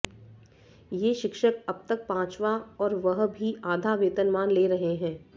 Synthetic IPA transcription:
jeːʃɪkʃəkɐb̚t̪ək̚pãːt͡ʃʋaɔːɾʋɐɦbʱiaːd̪ʱaʋeːt̪ənmaːnleːɾɐɦeɦɛ̃ː

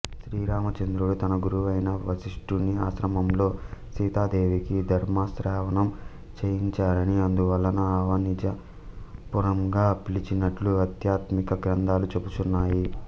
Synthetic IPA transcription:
ʃɾiːɾaːmɐt͡ʃɐnd̪ɾuɽut̪ɐnɐɡuɾuʋɐjnɐʋɐʃiʂʈunːiaːʃɾɐmɐmlo̞ːsiːt̪aːd̪e̞ːʋikid̪ʱɐɾmaːsɾɛːʋɐnɐm | t͡ʃejiɲt͡ʃaːɾɐniɐnd̪uʋɐlːɐnuɐːʋɐnid͡ʒɐ | puɾɐŋɡaːpilit͡ʃinɐʈluɐt̪jaːt̪mikɐɡɾɐnd̪aːlut͡ʃebut̪unːaːji

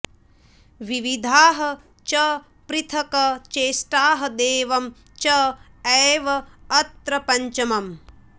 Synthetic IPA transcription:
ʋiʋid̪ʱaːɦɐ̆ | t͡ʃɐ | pɾit̪ʰɐkɐt͡ʃeːʃʈaːɦɐd̪eːʋɐm | t͡ʃɐ | ɐːʋɐːt̪ɾɐpɐɲt͡ʃɐmɐm

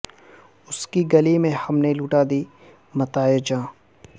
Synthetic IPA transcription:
ʊskiɡɐlimẽhɐmneluːʈaːd̪i | mɐt̪aːed͡ʒãː

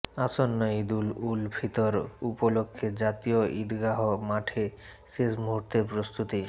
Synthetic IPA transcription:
asonːojd̪ululbʱit̪oɾupolokʰːed͡ʑat̪ijoʔid̪ɡaɦomaʈʰe | ʃeʃmuɦuɾt̪eɾpɾost̪ut̪i

